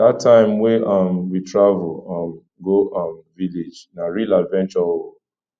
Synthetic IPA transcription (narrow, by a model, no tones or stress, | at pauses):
datʰãɪ̃mweʌmwitɹavəlʌ̃m | ɡoʔʌmviled͡ʒnaɹiladvɛ̃nt͡ʃɔol